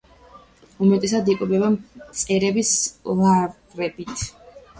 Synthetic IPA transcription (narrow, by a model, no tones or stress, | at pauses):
umɛt̪ʼɛsad̪ikʼulɛbamt̪sʼɛɾɛbislˠav | ɾɛbit̪ʰ